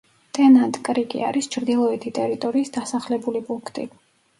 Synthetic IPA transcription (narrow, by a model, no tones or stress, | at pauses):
t̪ʼɛnant̪ʼkʼɾikʼḭa̰ɾist͡ʃʰɾd̪ilˠɔɛt̪ʰit̪ʼɛɾit̪ʼɔɾiːsd̪̥asaχlɛbulipʼuŋkʰt̪ʼḭ